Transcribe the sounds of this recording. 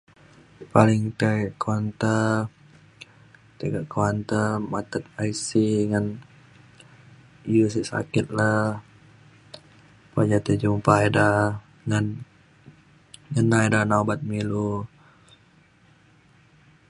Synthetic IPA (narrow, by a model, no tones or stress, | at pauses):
palɪŋt̪eɡʔkant̪ə | t̪əɡaʔkuwant̪əmat̪ət̪̚aisiŋan | ijəsiʔsa̰kɪt̪̚la | pad͡ʒat̪əd͡ʒumpaida | ŋan | ŋənaidanaubat̪̚milu